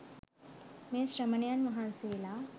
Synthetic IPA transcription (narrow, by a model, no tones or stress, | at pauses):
meːsɕɾəmənejanmɐɦanseːla